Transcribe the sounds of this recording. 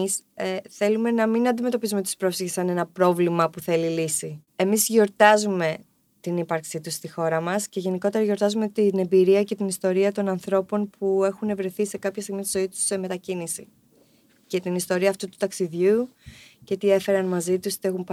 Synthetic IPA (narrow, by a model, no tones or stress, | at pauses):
sθe̞lume̞nɐminɐnd̪ime̞t̪o̞pizume̞t̪ispɾo̞fsiçesɐne̞nɐpɾo̞vlimɐpuθe̞lilisi | e̞mizʝo̞ɾt̪ɐzume̞ | t̪inipɐɾksit̪usst̪ixo̞ɾɐmɐsce̞ʝe̞niko̞t̪e̞ɾɐʝo̞ɾt̪ɐzume̞t̪ine̞mbiɾiɐce̞t̪inist̪o̞ɾiɐt̪o̞nɐnθɾo̞po̞npue̞xune̞vɾe̞θise̞kɐpçɐst̪iɣmist̪izo̞it̪u̥se̞me̞t̪ɐcinisi | ce̞t̪inist̪o̞ɾiɐːft̪ut̪u̥t̪ɐksiðʝucet̪ie̞fe̞ɾɐnmɐzit̪ust̪e̞xump